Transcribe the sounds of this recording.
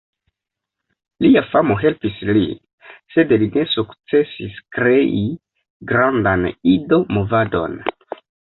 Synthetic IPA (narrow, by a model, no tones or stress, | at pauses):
liafamo̞ɦe̞lpislḭ | se̞dline̞sukt͡se̞siskɾe̞ʔi | ɡɾandanido̞mo̞vado̞̰n